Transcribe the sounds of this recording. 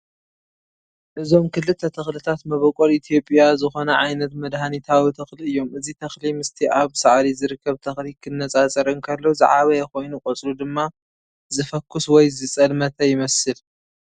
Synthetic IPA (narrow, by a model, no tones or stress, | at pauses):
ʔɨzo̞mkʰɨlːɨt̪ʰːɐt̪ʰɐxlɨt̪ʰat̪mɐβɐkʼolit̪ʰijo̞pʼjazɨxo̞nɐʕajnɐt̪mɐd̪hanit̪ʰawit̪ʰɐxliɨjːo̞mɨzit̪ʰɐxlimɨst̪ʰiʔaβsaʕd̪izɨɾɨkʰːɐβt̪ʰɐxlikʰɨnːɐt͡sʼat͡sʼɐɾɨnkʰɐlːozɨ̰ʕaβɐjɛko̞jnukʼot͡sʼlud̪ɨmːa | zɨfɐkʰːuswɔjzɨt͡sʼɐlmɐt̪ʰɐjɪmɐsɨl